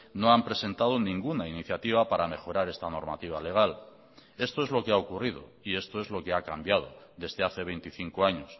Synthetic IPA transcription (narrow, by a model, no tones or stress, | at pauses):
no̞ampɾe̞se̞nt̪að̞onĩŋɡunainiθjat̪iβ̞apaɾame̞xo̞ɾaɾe̞st̪ano̞ɾmat̪iβ̞ale̞ɣ̞al | e̞st̪o̞ezlo̞keaokurið̞o̞̰ie̞st̪o̞e̞zlo̞ke̞akambjað̞o̞̰ðe̞zðe̞aθe̞βe̞jnt̪iθiŋkoaɲos